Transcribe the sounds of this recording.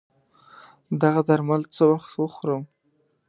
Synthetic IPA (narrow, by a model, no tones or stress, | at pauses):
d̪aɣad̪aɾmalt͡səwaxt̪wəxɾəm